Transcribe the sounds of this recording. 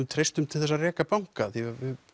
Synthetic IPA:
ʏmt̪ʰɾejst̪ʏmt̪ʰɪlθɛsːarɛːkapawŋkaθivɪ

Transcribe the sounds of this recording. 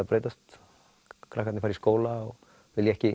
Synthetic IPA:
apɾeːjt̪ast̪ | kʰɾakʰɛt̪nɪfaːɾiskoːwlaɔɣ | vɪljɛhcɪ

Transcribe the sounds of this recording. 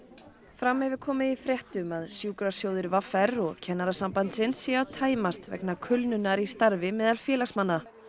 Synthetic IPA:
fɾamːɛvɪ̥kʰɔːmɪifɾjɛht̪ʏmaðsjuːkɾasjoːwðɪɾvafɛɾɔɣcʰɛnːaɾasampant̪sɪnsjɛawt̪ʰaːjmast̪vɛ̰knakʰʏlnʏnːaɾist̪aɾvɪmɛːðalfjɛːlasmanːa

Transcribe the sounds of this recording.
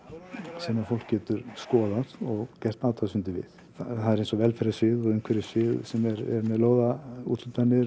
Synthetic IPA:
sɛmafowlkcːɛːt̪ʏɾ̥skɔːðaðɔɣcɛr̥t̪aːwt̪ʰasʏnt̪ɪvɪ̰ð | aθaðɛɾejnsɔvɛlfɛɾasɪðɔɣʏŋkʰvɛɾɪsvɪðsɛmɛɾɛ̰ɾmɛðloːwðaṵt̪lʏt̪anːɪ

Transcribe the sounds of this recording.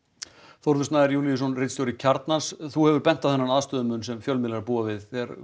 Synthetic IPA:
θowɾðʏst̪naɛɾjuliɪsɔnrɪt̪st̪jowɾɪcʰaɾt̪nansθuhɛvʏɾpɛn̥t̪aðθɛnːanaðst̪œːðʏmʏnsɛmfjœlmɪlaɾpuːavɪðθɛɾ

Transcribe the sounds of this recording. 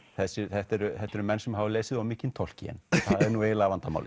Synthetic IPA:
θɛsʏθɛht̪ɛɾʏθɛht̪ɛɾʏmɛnsɛmɦavʏleːjsɪðawmiːcɪnt̪ʰɔl̥cijɛ̰nθðɛɾnuejɪlaːvant̪ama̰wlɪ

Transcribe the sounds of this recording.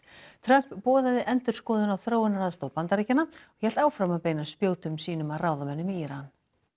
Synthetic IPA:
t̪ʰɾœm̥pːɔːðaðɪʔɛnt̪ʏɾ̥skɔːðʏnawθɾoːwɪnaɾaðst̪owpant̪aɾiːcɪnːaɔɣçɛl̥t̪aːwfɾamaðpeːjnaspjoːwt̪ʏmsiːnʏmaðraːwðamɛnːʏmɪiːɾan

